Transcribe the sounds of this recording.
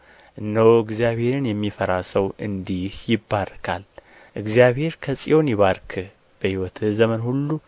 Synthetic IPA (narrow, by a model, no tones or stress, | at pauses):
ʔɨnːəwɨɡzijaβhe̞ɾɨnjɛmːifəɾasəwʔɨnd̪ihjɪbːarkʰa̰l | ʔɨɡzijaβhe̞ɾkʰəsʼḭjo̞njɪβaɾkʰɨ | b̥əhiwɔt̪ʰzəmənhulːu